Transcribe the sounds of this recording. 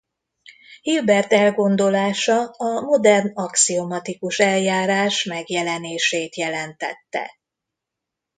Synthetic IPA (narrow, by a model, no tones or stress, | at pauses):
hilbɛrt̪ɛlɡo̞nd̪o̞laːʃɒɒmo̞d̪ɛrnɒksiomɒt̪ikuʃɛljaːɾaːʃmɛɡjɛlɛneːʃeːt̪jɛlɛnt̪ɛ̰t̪ːɛ̰